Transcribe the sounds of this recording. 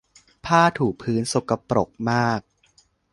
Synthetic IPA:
pʰaː˥˩t̪ʰuː˨˩k̚pʰɯː˦˥nso˨˩ka˧pɾo˨˩k̚maː˥˩k̚

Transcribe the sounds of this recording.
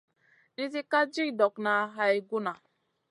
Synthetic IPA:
ni˦zi˦ka˦d͡ʒi˦˨dɔ˨kna˨˦ɦa˨i˨ɡu˦na˨

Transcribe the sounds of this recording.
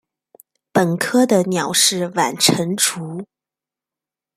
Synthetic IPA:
pə˨˩nkʰɤ˥d̪ə˨njɑ˨˩ʊʂɻ̩˥˩wa˨˩nʈ͡ʂʰə˧˥nʈ͡ʂʰu˧˥

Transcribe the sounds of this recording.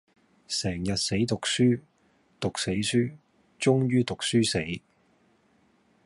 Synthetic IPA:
sɛː˨˩ŋjɐ˨t̚se˨˥jt̪ʊ˨k̚syː˥ | t̪ʊ˨k̚se˨˥jsyː˥ | t͡sʊ˥ŋjyː˥t̪ʊ˨k̚syː˥se˨˥j

